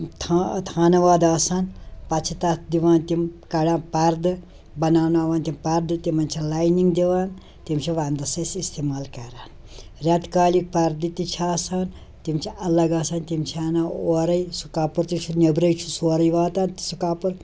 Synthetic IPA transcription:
t̪ʰːt̪ʰaːnɐʋaːd̪aːsaːnpɐt͡ʃʰit̪ɐt̪ʰd̪iʋaːnt̪imkɐɽaːpɐɾd̪ɨ | bɐnaːnaːʋaːnt̪impɐɾd̪ɨt̪imɐnt͡ʃʰilaːjniŋɡd̪iʋaːn | t̪imt͡ʃʰiʋand̪ɐsɐsist̪emaːlkɐɾaːn | ɾʲaːt̪kaːlik̚pɐɾd̪it̪it͡ʃʰiaːsan | t̪imt͡ʃʰiɐlɐɡaːsaːnt̪imt͡ʃʰiaːnaoːɾɐjsu̥kaːpuɾt̪it͡ʃʰunebɾɐjt͡ʃʰusoːɾɐjʋaːt̪ant̪i̥sukaːpuɾ

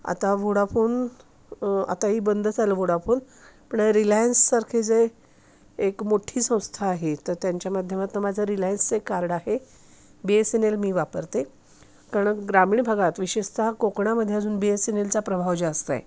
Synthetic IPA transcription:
a̰t̪aʋoɽafoːn | a̰t̪aɦiːbənd̪ʱt͡sʰaləʋoɽafoːn | pəɳɾilajənsːaɾkʰed͡ze | ekmoʈʰiːsə̃w̃st̪ʰaːɦet̪əɾt̪jaɲt͡ɕjamad̪ʱjəmat̪ːəmad͡zʱəɾilajənst͡sekːaɾɽaɦe | beesenelmiːʋapəɾt̪e | kaɾəɳɡɾamiːɳbʱaɡat̪ʋiɕeʂt̪akokɳaməd̪ʱːjad͡zuːnbiesenelt͡sapɾəbʱaʋd͡ʑast̪a̰j

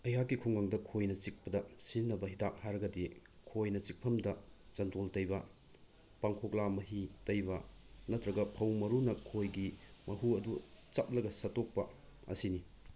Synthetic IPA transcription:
ɐjɦakːikʰuŋɡaŋdɐkʰojnɐt͡ʃik̚pɐdɐsinːɐbɐɦidak̚haɾɐɡɐdi | kʰojnɐt͡ʃik̚pʰɐmdɐd͡ʒɐntoltɐjbɐ | paŋkʰok̚lamɐɦitɐjbɐnɐtɾɐɡɐpʰɐwmɐɾunɐkʰojɡimɐɦuɐdut͡ʃap̚lɐɡɐsɐtok̚pɐ | ɐ̰sini

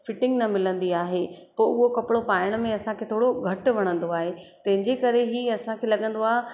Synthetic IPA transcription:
fɪʈɪ̃ŋɡnɐmɪlə̃nd̪iaːɦepoːʊɦokɐpɪɽopaːɪəɽ̃mẽɐsãkʰeːt̪ʰoːɽoɡʱɐʈʋɐɽ̃ə̃n̆d̪oaːɦet̪ɐ̃ɦɪ̃ɲd͡ʑekɐɾeɦiːɐsãkʰelɐɠə̃nd̪oaːɦe

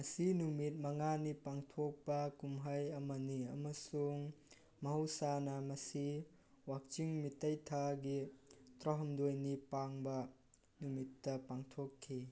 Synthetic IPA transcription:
mɐsinumit̚mɐŋanipaŋtʰok̚pɐkumɦɐjɐmɐniɐmɐsuŋ | mɐɦɐwsanɐmɐsi | wak̚t͡ʃiŋmitɐjtʰaɡitɾɔɦɔmdojnipaŋbɐ | numitːɐpaŋtʰokʰːi

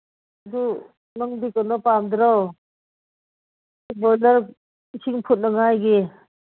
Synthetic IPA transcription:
d̪u | nɔŋdikɔnɔpamd̪ɾɔw | bɔlaɾ | isʰiŋpʰut̪̚naŋajɡe

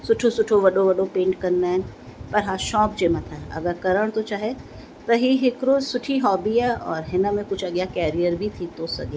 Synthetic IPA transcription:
sʊʈʰosʊʈʰoʋɐɖoʋɐɖopẽːɳʈkɐɾnaɛ̃ | pɐɾɦaːʃɔ̃ːp̚d͡ʒeːmãt̪ʰaɐ̰ɡəɾkɐɾəɽ̃t̪ot͡ʃaːɦe | t̪ɐɦiɦɪkɾoːzsʊʈʰiɦɔːbiɛɔːɾɦɪnamẽkʊt͡ʃʰɐɡjakɛːɾijəɾbʱit̪ʰit̪osɐ̰ɡe

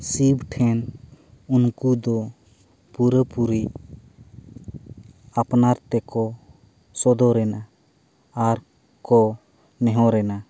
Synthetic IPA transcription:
sibʈʰɛn | unkud̪ɔ | puɾəpuɾi | apnaɾt̪ɛkɔ | sɔd̪ɔɾɛna | aɾ | kɔ | nɛɦɔ̃ɾɛna

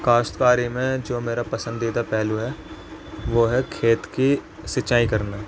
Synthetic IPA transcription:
kaːst̪kaːɾimẽd͡ʒoːmeːɾapɐsə̃nd̪iːd̪apɛːluɦɛː | ʋoːɦɛkʰeːt̪ki | sɪt͡ʃaːikɐɾnaː

